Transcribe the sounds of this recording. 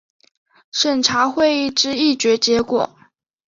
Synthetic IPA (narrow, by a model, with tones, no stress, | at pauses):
ʂə˨˩nʈ͡ʂʰa˧˥xwe˥˧ɪi˥˩ʈ͡ʂɻ̩˥i˥˩t͡ɕɥɛ˧˥t͡ɕjɛ˧˥kwɔ̰˨˩˦